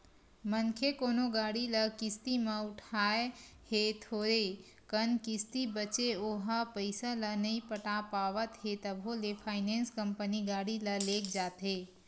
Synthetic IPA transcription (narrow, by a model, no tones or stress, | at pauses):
mənkʰekoːnoɡaːɽiləkɪst̪imə̃ʊʈʰaːehet̪ʰoːɾe | kənkɪst̪ibət͡ʃeoɦapəɪsalənəipəʈapaːʋət̪ɦet̪əbʱolepʰaːɪnẽːnskəmpəniɡaːɽiləleːk̚d͡ʒaːt̪ɦe